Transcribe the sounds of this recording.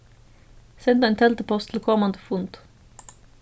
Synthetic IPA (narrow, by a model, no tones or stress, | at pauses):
sɛnd̪əeːnt̪ʰɛlt̪əpʰɔst̪ʰɪl̩kʰɔmɑnd̪əfʊnt̪